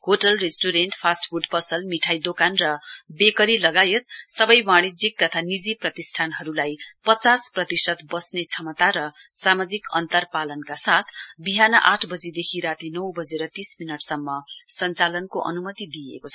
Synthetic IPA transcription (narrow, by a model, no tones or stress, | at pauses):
hoʈʌlresʈuɾenʈpʰasʈfʰuɖpʌsʌlmiʈʰajd̪okanrʌbekʌɾilʌɡajet̪̚sʌbʌjmaɽ̃id͡zik̚t̪ʌt̪ʰanid͡ziprʌt̪isʈʰanɦʌɾulajpʌt͡sasprʌt̪isʌt̪bʌsnet͡sʰʌmʌt̪aɾʌsamad͡zikʌ̰nt̪ʌrpalʌnkasat̪ʰbiɦanʌʔaʈʰbʌd͡zid̪ekʰiɾat̪inʌwbʌd͡zeɾʌt̪isminʌʈsʌmːʌsʌnt͡salʌnkoʔʌ̰numʌt̪id̪ijḛkot͡sʰʌ